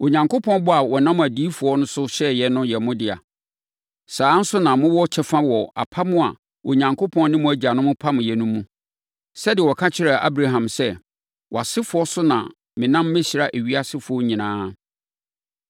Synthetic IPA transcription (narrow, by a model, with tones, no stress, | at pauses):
o˨ɲã˨ŋkʰo˦pʰɔ̃˦n˦bʊ˦a˨wɔ˨nã˦m˨æ˨diː˦fʊ˨ɔ˦nʊ̃˦sʊ˦ɕɛ˦jɛ˨nʊ̃˦jɛ˨mʊ̃˦dɪ˨a̰˨ | saː˨˦n̩˦sʊ˦nã˨mʊ̃˦wɔ˦t͡ɕʰɛ˦fã˦wɔ˨a̰˨pʰa˦mʊ̃˦a̰˨ | o˨ɲã˨ŋkʰo˦pʰɔ̃˦nnɪ̃˦mʊ̃˦æ˨d͡ʑi˨a˨nʊ̃˦mʊ̃˦pʰa˦mʊ̃˨jɛ˨nũ˦mːũ˦ | sɛ˦dɪ˨ɛ˨wɔ˨kʰa˦t͡ɕʰɪ˦ɾa˨ʔa̰˦bɾa˦ɦã˨msɛ˦ | wʔɔ˨a˨sɪ˦fʊ˨˦ɔ˦sʊ˦nã̰˨ | mɪ̃˨nã˦mː˦ɛ̃˦ɕi˨ɾa˨ʔæ˨ɥi˦a˦sɪ˦fʊ˨ɔ˦ɲĩ˨nãː˦